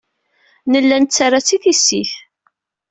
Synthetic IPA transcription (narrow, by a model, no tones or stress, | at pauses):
nəlːænt͡sːaɾat͡sːiθisːiθ